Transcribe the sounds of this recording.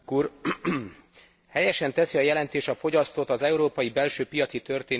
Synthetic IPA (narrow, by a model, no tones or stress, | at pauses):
kuːr | hɛjɛʃɛnt̪ɛsiɒjɛlɛnt̪eːʃɒfo̞ɟɒst̪ot̪ɒzɛuɾoːpɒjibɛlʃøːpijɒt̪sit̪ø̞rt̪eːn